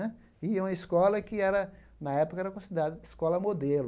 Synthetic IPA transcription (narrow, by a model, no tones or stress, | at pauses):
ɛ | iũmɐiskɔlɐkɪɛɾɐ | nɐɛpo̥kɐɛɾɐkõsid̪eɾad̪ɐɪskɔlɐmod̪el